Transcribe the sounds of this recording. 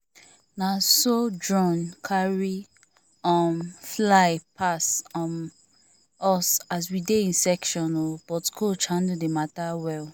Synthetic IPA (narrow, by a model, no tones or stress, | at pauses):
nasodɹɔ̃nkʰaɹi | ɔmflaɪpʰasɔn | ɔsas̬wideĩnsɛkʃɔ̃nob̥ɔtkʰot͡ʃhãndudematawɛl